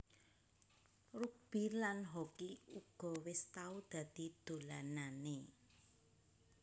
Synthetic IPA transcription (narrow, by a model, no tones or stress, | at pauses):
rub̥i̤lanɦɔkiuɡ̥ɔ̤wɪst̪aud̪̥ä̤d̪̥i̤d̪̥o̤lanane